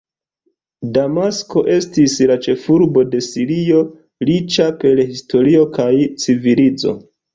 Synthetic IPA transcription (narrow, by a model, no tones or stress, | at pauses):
damasko̞ʔe̞stislat͡ʃe̞fuɾbo̞de̞siɾio̞ | lit͡ʃape̞lhisto̞ɾio̞kajt͡sivilid͡zo̞̰